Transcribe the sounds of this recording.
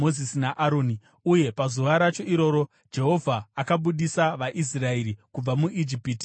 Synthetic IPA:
ozisinaʔaɾo̞ːni | uje̞pazuʋaɾat͡ʃo̞iɾo̞ːɾo̞ | d͡ʒe̞ɦo̞vʱaːkaɓuɗisaʋaʔis̬rae̞ɾikub͡vamuʔid͡ʒipiːti̥

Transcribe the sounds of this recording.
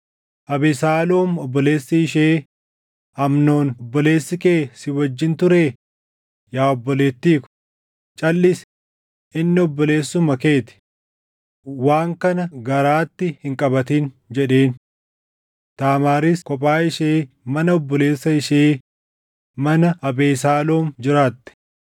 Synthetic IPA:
ʔɐbɪsaːloːmɔbːɔle̞ːsːɐɪʃeː | ɐmno̞ːnɔbːɔle̞ːsːɪkeːsɪwɐd͡ʒːɪnt̪ʊɾeː | jaːɔbːɔle̞ːt̪ːiːkʊ̥ | t͡ʃʼɐlːɪs | ɪnːɪɔbːɔleːsːʊmɐke̞ːt̪ɪ̥ | waːŋkɐnɐɡɐɾaːt̪ːɪhɪŋkʼɐbɐt̪iːn | d͡ʒɛᶑe̞ːn | t̪aːmaːɾiskɔpʼaːɪʃeː | mɐnɐɔbːɔleːsːɐɪʃeː | mɐnɐɐbe̞ːs̬aːlo̞ːmd͡ʒɪɾaːt̪ːɛ̥

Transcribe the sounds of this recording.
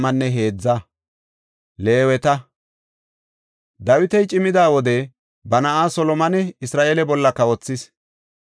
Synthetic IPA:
mɐnːɛɦe̞ːd͡zːɐ | le̞ːwɛt̪ɐ | d̪ɐwɪt̪ɛjt͡ʃʼɪmɪd̪aːwɔd̪ɛ | bɐnɐʔaːsɔlɔmɐnɛɪsɾaːʔeːlɛbɔlːɐkːɐwɔt͡sːɪs

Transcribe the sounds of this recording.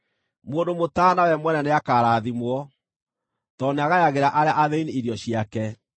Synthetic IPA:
moːndomotaːnawɛmwɛnɛneakaːɾaːðimwɔ | tɔneaɣajaɣeɾaʔaɾeaʔaðeiniiɾjɔɕjiakɛ

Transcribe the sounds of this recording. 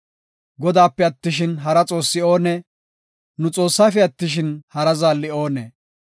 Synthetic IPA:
ɡɔd̪aːpːɛɐt̪ːɪʃ̬ɪnɦɐɾɐt͡sʼo̞ːsːɪo̞ːnɛ | nʊt͡sʼo̞ːsːaːfɛɐt̪ːɪʃɪnhɐɾɐzaːlːɪo̞ːnɛ

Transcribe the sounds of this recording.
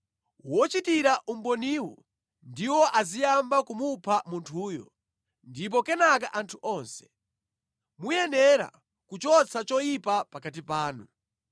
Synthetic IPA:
wɔt͡ʃitiɾaʔum̩bɔniwɔ | ndiwɔʔazijambakumupʰamuntʰuːjɔ̰ | ndip̬ɔkɛnakaʔantʰuʔɔnsɛ̥ | mujɛnɛɾa̰ | kut͡ʃɔt͡sʰat͡ʃɔjipapakat̬ipaːnu

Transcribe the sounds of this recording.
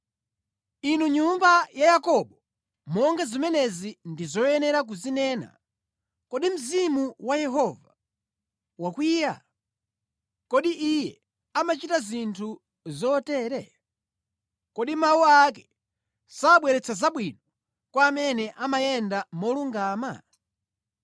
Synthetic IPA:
inuɲumbajajakɔɓɔ | mɔŋɡazimɛnɛzindizɔjɛnɛɾak̬uzinɛːna̰ | kɔɗim̩zimuwajɛɦɔva | wakwiːja̰ | kɔɗiʔijɛ | amat͡ʃitazintʰu | zɔtɛːɾɛ | kɔɗimawuakɛ | saɓwɛɾɛt͡sʰazaɓwinɔ | kwaːmɛnɛʔamajɛndamɔluŋɡaːma̰

